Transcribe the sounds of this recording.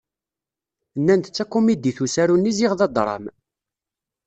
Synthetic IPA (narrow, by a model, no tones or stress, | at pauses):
nːænt̪t͡sːækːumid̪iθusæɾunːiziʁðɑd̪ˤɾˤɑ̰m